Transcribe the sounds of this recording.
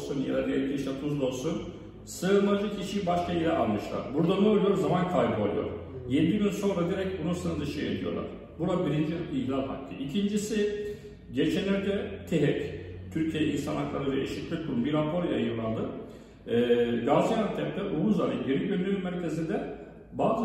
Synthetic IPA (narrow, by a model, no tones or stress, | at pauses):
sunja̰d̪ad̪ijɛlʲc̪ʲʰiʃlɛp̪ʰuzd̪ˠo̞lˠsun | sɯɯɾmˠad͡ʒɯcʰiʃibaʃkailʲɛ̰ʔa̰lˠmɯʃlˠa̰ɾbuɾd̪anuolˠjo̞ɾzamankʰajbɯa̰lˠṵjo̞̰ɾ | jed̪iɟynso̞nɾad̪iɾɛc̚bunusɯnɯd̪ɯʃɯjed̪ijo̞̰lˠa̰ɾ̥ | buɾabiɾind͡ʒiiɦlʲalɦa̰kʰːɯ̰ʔicʰind͡ʒisi | ɟe̞t͡ʃʰɛnøɾt̪ʰɛt̪ʰiɦɛct̪ʰyɾcʰijeɛʔḭnsanaklˠaɾɯvɛʔḛʃic̪lʲik̚d̪uɾumbiɾapʰo̞ɾjajɯɾlˠand̪ɯ | ɡazijant̪ʰɛpt̪ʲɛʔuβuzaɾiɟeɾycbønd̪ynynmæɾcʰe̞zind̪ɛ | baːz